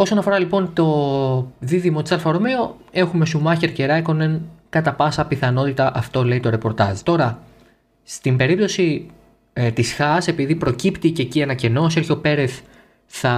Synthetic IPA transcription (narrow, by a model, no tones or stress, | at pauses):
o̞so̞nɐfo̞ɾɐlipo̞nt̪o̞ | ðiðimo̞t̪isɐlfɐɾomeoe̞xume̞sumɐçeɾce̞ɾɐeko̞nenkɐt̪ɐpɐsɐpiθɐno̞t̪it̪ɐʔɐft̪o̞le̞it̪o̞ɾe̞po̞ɾt̪ɐzt̪o̞ɾɐ | st̪imbe̞ɾip̚t̪o̞si | t̪isxɐse̞piðipɾo̞cipt̪icecienɐce̞no̞selço̞pe̞ɾeθ | θɐ